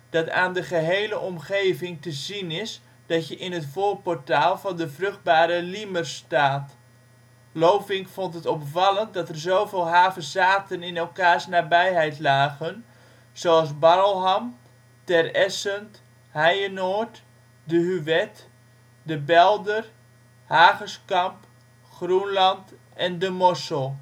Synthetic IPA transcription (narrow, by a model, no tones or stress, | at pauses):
d̥ɑta̰ːndəχəɦejləʔɔmχeːvɪŋtəzinɪs | d̥ɑtjəʔɪnɦətfoːlpɔrtaːlˠvɑndəfrøχd̚baːɾəlimərstaːt | loːvɪŋkfɔntətɔpfɑlˠənt̚dɔtərzowveːlˠɦaːvəzaːtənɪnɛlˠkaːrsnabɛjɦɛjtlaːɣən | z̥oɑlˠsbɑɾəlˠɦɑm | tɛrɛsənt | hɛjənoːɹt | dəɦyʋɛt | dəbɛlˠdər | haːɣəskɑmp | χrunlɑnt | ɛndəmɔsəlˠ